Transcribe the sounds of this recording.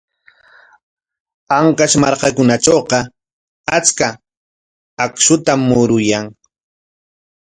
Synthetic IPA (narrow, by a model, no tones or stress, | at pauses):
aŋkaʃmaɾkakʊnaʈ͡ʂowqɑ | at͡skaː | kʃʊt̪amːʊɾʊjaŋ